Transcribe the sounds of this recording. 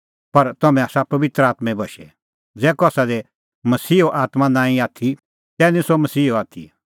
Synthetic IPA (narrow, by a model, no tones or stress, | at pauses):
pɐɾt̪ɐmɛ̃aːsapɐʋɪt̪ɾəaːt̪mɛ̃bʱɐʃɛ | d͡zɛːkɔaːsad̪e | mɐsiːɦoʔaːt̪mãnãːĩaːt̪ʰi | t̪ɛːnĩsomɐsiːɦoaːt̪ʰḭ